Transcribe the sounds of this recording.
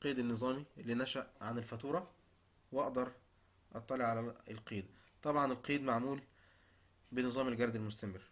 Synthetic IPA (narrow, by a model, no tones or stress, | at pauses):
qiːd̪enːɨzˤɑːmielːiːnæʃæʔʕanelfæt̪uːɾˤɑ | wʔɑʔd̪ɑɾˤ | ʔɑt̪ˤːɑleʕalæelqiːd̪æ | t̪ˤɑbʕɑnelqiːd̪maʕmuːl | benɨzˤɑːmelɡɑɾˤd̪elmost̪æmerː